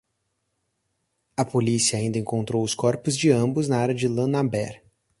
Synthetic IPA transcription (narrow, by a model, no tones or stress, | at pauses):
ɐpolisiɐaːĩd̪ɐẽŋkõnt̪ɾowʊskɔɾpʊzd͡ʒɪɐ̃bʊznaaɾɐd͡ʒɪlɐ̃nabɛɾ